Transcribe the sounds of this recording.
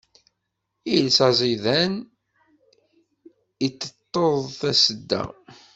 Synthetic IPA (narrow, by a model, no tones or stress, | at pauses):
ilsæzˤiðæn | it͡sːət̪ˤːoðˤθæsəd̪ːæ̰